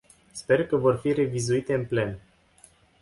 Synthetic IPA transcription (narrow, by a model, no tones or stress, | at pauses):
spe̞rkəvo̞rfire̞vizuit̪e̞ɨnple̞n